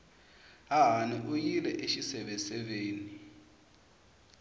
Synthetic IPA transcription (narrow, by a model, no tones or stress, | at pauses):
aɦaniʔujilɛʔeʃisɛɓɛsʼɛɓeːni